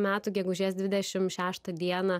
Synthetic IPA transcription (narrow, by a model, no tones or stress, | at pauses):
mʲæːt̪uːɡʲɛɡʊʒʲiːsd̪ʲʋʲɪd̪ʲɛʃʲɪmʃʲæːʃt̪ɐd̪ʲiɛnɐ